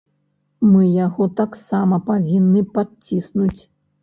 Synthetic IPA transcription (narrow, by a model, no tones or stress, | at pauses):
mɨjaɣɔt̪aksamɐpavʲinːɨpat͡sʲisnut͡sʲ